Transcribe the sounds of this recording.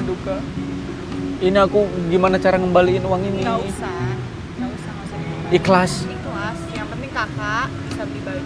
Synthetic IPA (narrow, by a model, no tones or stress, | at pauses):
duɡa | iniakuɡimanat͡ʃaɾakəmbaliɪnuwaŋinisa | ŋawisausa | iklasiklasjaŋpənt̪ɪŋkakaʔbisabiba